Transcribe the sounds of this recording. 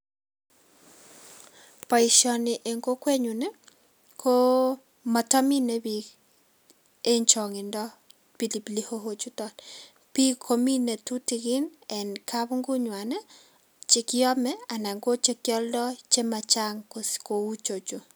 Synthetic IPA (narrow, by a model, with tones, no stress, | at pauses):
pɔ˨i˨ʃɔ˨nɪ˨ʔe˨ŋɡo˦kwe˦ɲu˨ne˦ | kʰo˦ | ma˨tɔ˦mi˦ne˦bi˨ | e˦ɲt͡ʃɔ˨ŋɪ˨ndɔ˦ | pi˨li˨pi˨li˦ho˦ɦo˦t͡ʃu˦tɔ˨l | pi˦kʰo˦mi˦ne˨tu˦ti˨kɪ˦nɛ˨nkʰa˦βu˦ŋɡu˦ɲwa˨nɛ˦ | t͡ʃe˨kɪɔ˦mɛ˦a˨na˨ŋɡo˦t͡ʃe˦kjɔ˦ldɔ˦t͡ʃe˦ma˨t͡ʃa˦ŋko˨sko˨u˦t͡ʃo˨t͡ʃu˨